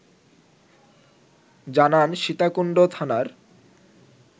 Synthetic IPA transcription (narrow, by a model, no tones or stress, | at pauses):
d͡ʑananʃit̪akuɳɖot̪ʰanaɾ